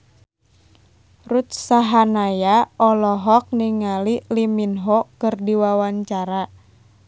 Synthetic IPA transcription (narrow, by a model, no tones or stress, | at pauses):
rut̪̚saɦanajaɔlɔɦɔk̚niŋaliliminɦɔkɨrdiwawaɲt͡ʃaɾa